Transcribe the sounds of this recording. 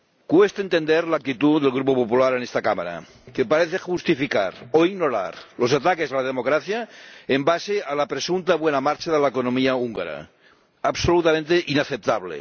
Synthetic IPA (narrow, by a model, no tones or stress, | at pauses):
kwest̪aent̪end̪eɾlak̚t̪it̪uðelɣ̞ɾupopopulaɾenest̪akama̰ɾa̰ | kepaɾeθexust̪ifika̰ɾoiɣnoɾa̰ɾlo̞sat̪akezalað̞emokɾaθjaembasealapɾesunt̪aβwenamaɾt͡ʃaðelaekonomiauŋɡa̰ɾa̰ | aβsolut̪amẽnt̪eʔinaθep̚t̪aβlḛ